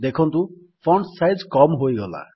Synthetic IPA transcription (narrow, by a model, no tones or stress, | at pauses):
d̪ekʰɔnt̪u | pʰɔɳɖsajzkɔmɦojɡɔla̰